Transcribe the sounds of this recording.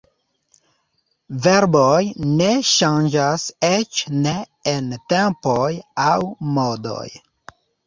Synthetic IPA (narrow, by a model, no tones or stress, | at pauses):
veɾbojneʃand͡ʒaset͡ʃne | entempojawmodo̰j